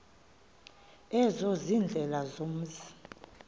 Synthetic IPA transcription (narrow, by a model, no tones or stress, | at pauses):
ɛzɔzind͡ɮʱɛlazom̩zi